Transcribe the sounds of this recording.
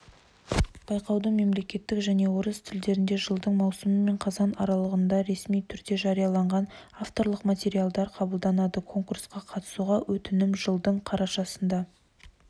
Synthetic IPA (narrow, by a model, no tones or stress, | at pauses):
b̥ɑjqɑwd̪əme̞mle̞kʲe̞t̪ːɪkʒæne̞woɾəst̪ʰɪld̪e̞ɾɪnd̪e̞ʒəlˠd̪əɴmɑwsəməme̞ɴqʰɑzɑnɑɾɑlˠəʁənd̪ɑɾe̞smijt̪ʰʏɾd̪e̞ʒɑɾijɑlˠɑɴʁɑnaft̪o̞ɾlˠəqmat̪ʲe̞ɾijalˠd̪ɑɾqʰɑbəlˠd̪ɑnɑd̪əkʰo̞ŋkursqɑqʰɑt̪ə̥suʁɑwʔɵt̪ɪnɪmʒəlˠd̪əɴqʰɑɾɑʃɑsənd̪ɑ